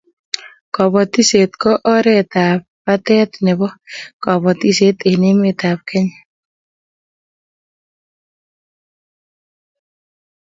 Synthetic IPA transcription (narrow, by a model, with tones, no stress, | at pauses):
kɔ˨bɔ˨t̪i˦se˨t̪kɔ˦ʔɔ˦ɾɛ˦t̪a˨p̚pa˦t̪ɛ˦t̪nɛ˨bɔ˦kɔ˨bɔ˨t̪i˦se˦t̪e˨nɪ˦me˦t̪a˨p̚kɛ˦ɲ